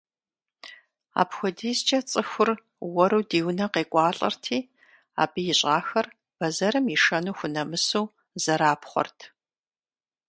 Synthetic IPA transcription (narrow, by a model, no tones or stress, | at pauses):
a̰ːpxʷɔdiːzt͡ʃʼɐt͡sʼɨxʷʊr | wɔɾuːdiːwnɐqeːkʷʼɑːɬʼɐ̰rtʰiː | a̰ːbijɪɕʼaːxɐr | b̥ɐzɐɾɨmjiʂɐnuːxʷʊnɐmɨsuː | zɐɾaːpχʷɔ̰rtʰ